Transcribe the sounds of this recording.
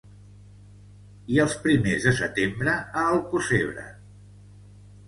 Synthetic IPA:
iəlˠspɾimezðəsət̪embɾəəːlˠkuseβɾə̰

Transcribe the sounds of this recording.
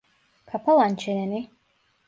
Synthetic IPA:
kʰapʰɔlˠant͡ʃʰɛnɛni

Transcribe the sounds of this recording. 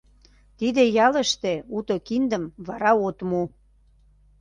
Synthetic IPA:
t̪id̪ejɑləʃt̪eut̪okind̪əmβɑɾɑot̪mu

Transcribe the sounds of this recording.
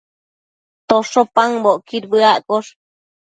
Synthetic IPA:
t̪oʂopaŋboʔkiɾbɨaʔkoʂ

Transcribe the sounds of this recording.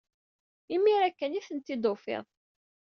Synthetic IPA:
imːiɾækːəniθənt̪ːid̪ofɪ̰ðˤ

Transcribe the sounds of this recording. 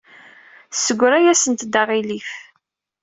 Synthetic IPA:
səɡʷɾæjæsənt̪d̪aʁilif

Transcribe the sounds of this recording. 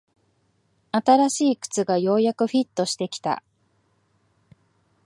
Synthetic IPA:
at̪aɾaɕiːkɯ̥t͡sɨɡajo̞ːjakɯ̟ɸʲit̪ːo̞ɕi̥t̪e̞kʲi̥t̪a̰

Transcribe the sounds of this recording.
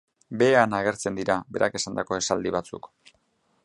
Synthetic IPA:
be̞anaɣ̞e̞ɾt͡se̞nd̪iɾabe̞̰ɾʔa̰ke̞sand̪ako̞e̞sald̪iβat͡sṵk

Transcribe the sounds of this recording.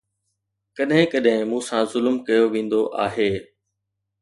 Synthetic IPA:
kɐɗɦɪ̃kɐɗɦɪ̃mũːsãzʊlmkɐjoʋẽːn̆d̪oʔaːɦeː

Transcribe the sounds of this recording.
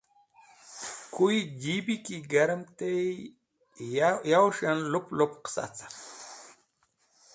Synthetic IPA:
kuid͡ʑibikiɡaɾəmt̪e | jawʃanluplupqsa̰t͡sḁ

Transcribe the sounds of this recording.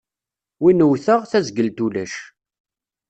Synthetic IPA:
winəwθəʁθæzɡəlt̪ulæʃ

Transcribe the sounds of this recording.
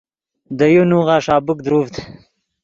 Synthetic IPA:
d̪əjunuɣaʂɑːbʊk̚d̪ɾuft̪

